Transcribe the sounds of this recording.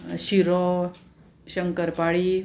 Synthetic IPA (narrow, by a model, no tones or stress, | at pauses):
ɕiɾo | ɕəŋkəɾpaɭi